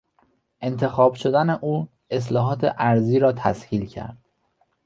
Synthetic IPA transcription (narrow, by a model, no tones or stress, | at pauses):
ʔe̞nt̪ʰe̞xɒːb̥ʃo̞d̪æne̞ʔuː | e̞s̬lɒːɦɒːt̪ʰḛʔæɾziːɾɒːt̪ʰæ̰shiːlcʰæ̰ɾd̪̥